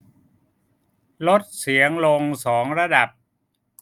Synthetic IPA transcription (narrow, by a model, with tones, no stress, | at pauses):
lo˦˥t̪̚si˩˦əŋlo˧ŋsɔː˩˦ŋɾa˧da˨˩p̚